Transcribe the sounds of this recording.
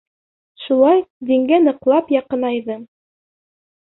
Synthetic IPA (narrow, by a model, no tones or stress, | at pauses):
ʃulˠɑjd̪iŋɡænɤ̆qlˠɑpjɑqɤ̆nɑjðɤ